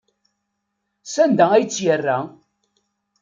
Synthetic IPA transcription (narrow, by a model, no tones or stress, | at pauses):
sænd̪ææjt͡sːjərːæ